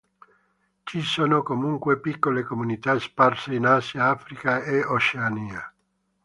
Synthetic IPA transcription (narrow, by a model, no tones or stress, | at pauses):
t͡ʃisoːnokomuŋkwepikːolekomunit̪aesparseinaːsjaaːfɾikaeot͡ʃeaniːa